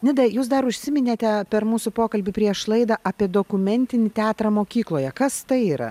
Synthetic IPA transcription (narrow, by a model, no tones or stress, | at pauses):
nʲɪd̪ɐjuːs̬d̪ɐɾʊʃʲsʲɪmʲɪnʲeːt̪ʲɛpʲɛɾmuːsʊpoːkɐlʲbʲɪpʲɾʲiɛʃlˠɐɪd̪ɑʔɐpʲiɛd̪oːkʊmʲɛnʲt̪ʲɪnʲɪt̪ʲæːt̪ɾɐmoːkʲiːklˠoːjɛkɐst̪ɐɪiːɾɐ̰